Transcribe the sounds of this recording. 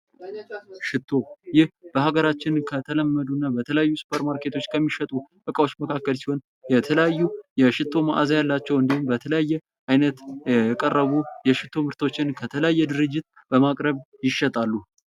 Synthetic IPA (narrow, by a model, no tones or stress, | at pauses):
ʃɪt̪ʰːo̞jɪhb̥əhaɡəɾat͡ʃːɪnkʰət̪ʰələmːəd̪unːabət̪ʰələjajːusu̥pʰəɾmaɾke̞t̪ʰo̞t͡ʃːkʰəmːiʃɛt̪ʼuʔʼɨkʼawo̞t͡ʃːməkʰakːəlsiho̞n | jɛt̪ʰələjajːujɛʃɪt̪ʰːo̞ma̰ʔazajalːat͡ʃːɛwɨnd̪ihumbət̪ʰələjajːɛ | ʔajnət̪jɛjɛkʼərːəβujɛʃɪt̪ʰːo̞mɨɾt̪ʰo̞t͡ʃːɪnkʰət̪ʰələjajːɛd̪ɨɾɨd͡ʒːɪt̪̚ | b̥əmakʼɾəβjɪʃːɛt̪ʼalːu